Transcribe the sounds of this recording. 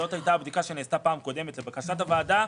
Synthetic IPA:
o̞t̪hajt̪aːbd̪ikaʃe̞neːst̪apaːmko̞d̪e̞metlebakaʃat̪avaːda

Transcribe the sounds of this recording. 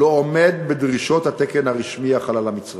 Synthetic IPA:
oomed̪̚bed̪ʁiʃo̞t̪hat̪ekenhaʁiʃmiaχalalamit͡sʁ

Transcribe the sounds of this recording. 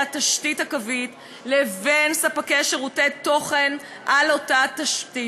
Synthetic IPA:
ataʃtithakavit | levensapakeʃeʁuteto̞χen | ʔalotataʃti

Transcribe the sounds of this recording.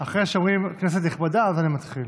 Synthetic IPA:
aχʁeʃomʁimknes̬et̪̬niχbad̪aazanimat̪χil

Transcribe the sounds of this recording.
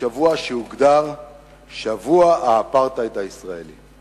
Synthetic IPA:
avuaʃeuɡd̪aʁ | ʃavuaaːpaʁt̪aet̪aisʁaeli

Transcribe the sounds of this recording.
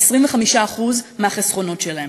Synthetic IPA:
esʁiɱveχamiʃaːχuzmeaχesχo̞no̞tʃelae

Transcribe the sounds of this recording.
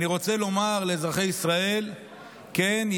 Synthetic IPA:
niʁo̞t͡se̞lo̞maʁle̞zʁaχe̞jisʁae̞l | ken

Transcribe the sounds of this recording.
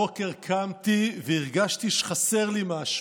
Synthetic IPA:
okeʁkʰamt̪iveiʁɡaʃt̪iʃχase̞ʁlimaːʃ

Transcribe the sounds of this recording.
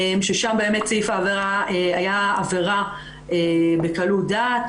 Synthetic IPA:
emʃeʃambeemett͡seifaːveʁaeajaːveʁa | ebekaludat

